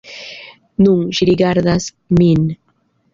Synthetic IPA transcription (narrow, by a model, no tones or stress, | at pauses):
nuŋʒɾiɡaɾðas | min